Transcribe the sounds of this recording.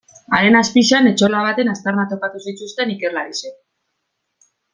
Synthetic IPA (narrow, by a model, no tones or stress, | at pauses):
aɾe̞naspiʃane̞t͡ʃo̞laβ̞at̪e̞nast̪arnat̪o̞kat̪usit͡ʃust̪e̞nike̞laɾise